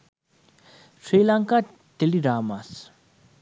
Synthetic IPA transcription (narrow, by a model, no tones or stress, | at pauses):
ʂʰelaŋka | t̪eliɾamas